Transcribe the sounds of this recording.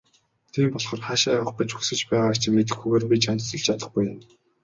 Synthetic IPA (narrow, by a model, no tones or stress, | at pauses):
t̪ʰiːmpɔɮχɞ̆rχaʃaːə̆χpĭt͡ɕuxsɘ̆t͡ɕpæːʁaːkt͡ɕʰɪ̆met̪̬ɘ̆xuɣeːrpʲit͡ɕant͡ɕt͡sɞ̆ɮt͡ɕʰat̪ə̆χɡujʊm